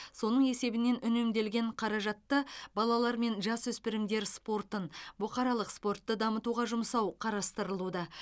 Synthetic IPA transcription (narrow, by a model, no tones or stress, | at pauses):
so̞nəɴe̞se̞bɪne̞nʔʏne̞md̪e̞lɡʲe̞ɴqʰɑɾɑʒɑt̪ːəbɑlˠɑlˠɑɾme̞nʒɑswɵspɪɾɪmd̪e̞ɾspo̞rt̪ənbʊqɑɾɑlˠəqspo̞rt̪ːəd̪ɑmət̪uʁɑʒʊmsɑwqʰɑɾɑst̪əɾəlˠud̪ɑ